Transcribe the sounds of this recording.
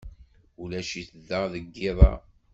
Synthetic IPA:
ulæʃiθəðːəʁðəɡːɪðˤɑ̰

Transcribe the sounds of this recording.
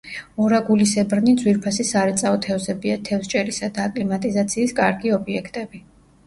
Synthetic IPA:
ɔɾaɡulisɛbɾnid̪zwiɾpʰasisaɾɛt̪sʼaɔt̪ʰɛvzɛbiat̪ʰɛfst͡ʃʼɛɾisad̪aːkʼlimat̪ʼizat̪sʰiːskʼaɾɡiɔbiɛkʰt̪ʼɛbi

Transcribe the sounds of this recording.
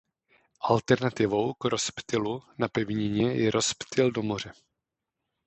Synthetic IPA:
ʔalt̪ɛɾnat̪ɪvo̞wkɾo̞spt̪ɪlunapɛvɲɪɲɛjɛɾʔo̞spt̪ɪldo̞mo̞r̝ɛ

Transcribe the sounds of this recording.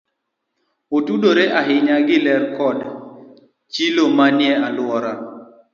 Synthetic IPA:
otudoɾeʔaɦɪɲaɡɪlɛrkɔd | t͡ʃilomanjɛalwɔɾa

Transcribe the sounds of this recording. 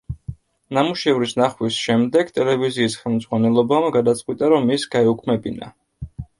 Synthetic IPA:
namuʃɛvɾisnaχwisʃɛmd̪ɛɡt̪ʼɛlɛviziːsχɛlˠmd̪zʁwanɛlˠɔbamɡad̪at̪sʼqʼwit̪ʼaɾɔmisɡ̥aɛukʰmɛbina̰

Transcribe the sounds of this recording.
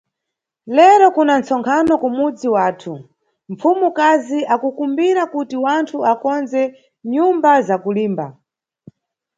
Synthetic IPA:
lɛɾɔkunant͡sɔŋkʰanɔkumud͡ziwaːtʰu | ɱ̩fumukaziakukumbiɾakutiwantʰuakɔnzɛ | ɲumbazakuliːmba̰

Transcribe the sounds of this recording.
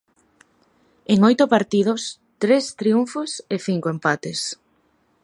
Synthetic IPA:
eŋojt̪ʊpaɾt̪ið̞os | t̪ɾest̪ɾiuɱfoseθiŋkoempat̪es

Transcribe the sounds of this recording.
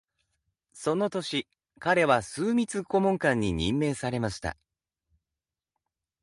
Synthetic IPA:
so̞no̞t̪o̞ɕi | kaɾe̞βasɨːmʲit͡sɨko̞mõ̞ŋkãɲ̟ːiɲḭ̃mːe̞ːsaɾe̞maɕi̥t̪a̰

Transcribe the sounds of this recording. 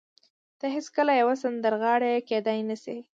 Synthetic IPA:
d̪̥əɦeskəlajawas̬and̪əɾɣɑɽeked̪ajnasi

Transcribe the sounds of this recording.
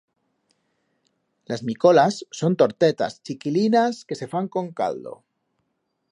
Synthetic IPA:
lazmiko̞lasːo̞nt̪o̞ɾt̪e̞t̪a̰st͡ʃikilinaskese̞faŋko̞ŋka̰ld̪o̰

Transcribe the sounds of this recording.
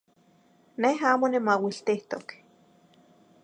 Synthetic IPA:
neɦaːmonimawiɬt̪iht̪ok

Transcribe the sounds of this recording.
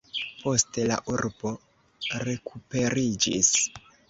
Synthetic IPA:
po̞stela̰ʔuɾb̥o̞ | ɾe̞kʰupe̞ɾid͡ʒḭs

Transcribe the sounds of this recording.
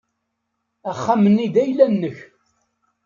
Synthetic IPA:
æχːamənːid̪æjlænːəç

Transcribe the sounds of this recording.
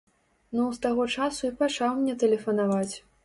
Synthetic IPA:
nuwst̪aɣɔt͡ʂasuipat͡ʂawmnʲɛt̪ɛlʲɛfɐnavat͡sʲ

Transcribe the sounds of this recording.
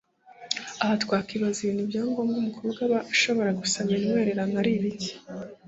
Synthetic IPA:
ahatwaːkiβaziβiːnubjaːŋɡoːmɡuːmukʰobɡaβaʃo̞βo̞ɾaɡusaβiɲweːɾe̞ɾanaɾiβiɟi̥

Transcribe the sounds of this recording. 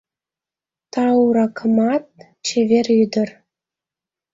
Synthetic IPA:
t̪ɑuɾɑkʰɤ̆mɑt̪̚ | t͡ɕevʲerʲyd̪ə̆r

